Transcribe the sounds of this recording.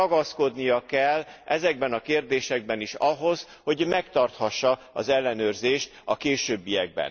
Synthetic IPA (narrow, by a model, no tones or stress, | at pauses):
ɒɡɒsko̞d̪nijɒkɛlːʔɛzɛɡ̚bɛnɒkeːrd̪eːʃɛɡ̚bɛniʃɒɦo̞z | ho̞ɟmɛkt̪ɒrt̪hɒʃːɒ | ɒzɛlːɛnøːrzeːʃt̪ɒkeːʃøːbːijɛɡ̚bɛ̰n